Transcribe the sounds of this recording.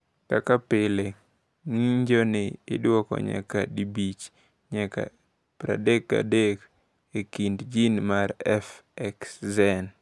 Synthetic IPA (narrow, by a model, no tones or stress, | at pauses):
kakapɪle | ŋiɲd͡ʒonɪɪ̰dwɔkɔ̰ɲa̰kadibit͡ʃ | ɲaka̰ | pɾa̰dekːa̰dek | ekindd͡ʒinmaɾɛfɛkszɛn